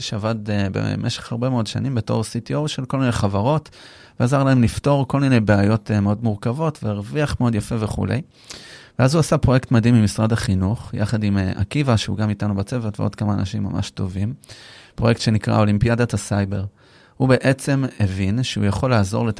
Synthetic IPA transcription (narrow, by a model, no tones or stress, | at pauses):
ʃeavad̪bḛmʔeʃeχhaʁbe̞meo̞dʃa̰nimbe̞to̞̰ʁsitiowʃelko̞lminejχavaʁo̞t | veazaʁlaemlifto̞ʁko̞lmine̞jbeajo̞tmeo̞dmuʁkavo̞tveeʁviaχmeo̞d̪jafe̞ve̞χṵle̞̰j | veazuasapʁo̞jektmad̪imːimisʁadaχinuχja̰χadimʔa̰kivaʃeṵɡamitanubat͡se̞vetveo̞dkamaːnʔaʃimːa̰ma̰ʃto̞vimpʁjektʃe̞nikʁa̰o̞limpijadatasajbe̞ʁ | hube̞ʔet͡se̞mevinʃeṵjaχo̞laːzo̞ʁlet